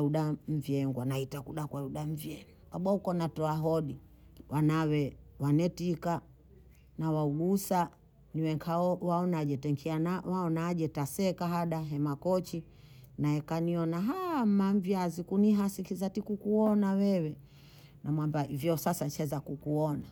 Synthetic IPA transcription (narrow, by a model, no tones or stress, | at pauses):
uɗam̩viɛŋɡwanaitakuɗakwauɗam̩vjɛŋ | kaɓwahukɔnatɔaɦɔɗi | wʔanawɛwanɛtika | nawauɡusa | niwɛŋkʰawaɔnaʄɛtɛŋkʰianawaɔnaʄɛtasɛkaɦaɗaɦɛmakɔt͡ʃi | naɛkaniɔnaɦamaɱvjazikuniɦasikizatikukuɔnawɛwɛ | namwambaivjɔsasant͡ʃɛzakukuɔna